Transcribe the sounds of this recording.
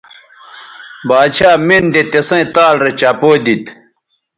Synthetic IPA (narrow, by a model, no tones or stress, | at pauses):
baːt͡ɕʰaːmind̪et̪esɐ̃t̪aːlɾet͡ɕapoːd̪it̪